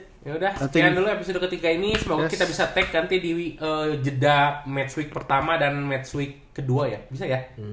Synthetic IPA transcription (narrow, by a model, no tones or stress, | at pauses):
jaudahsət̪ianduluepisodokət̪ikainisəmaɡakit̪abisat̪ɛkːant̪idiiʔəd͡ʒədamɛt̪swik̚pərt̪amadanmɛt̪swɪkːəduaja̰bis̬aja